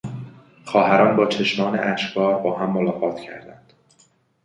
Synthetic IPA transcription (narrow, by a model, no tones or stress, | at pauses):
xɒːhæɾɒːnbɒːt͡ʃʰe̞ʃmɒːnḛʔæʃɡɒːɾbɒːɦæmːolɒːɣɒːt̪ʰcʰæ̰ɾd̪æ̰nd̪̥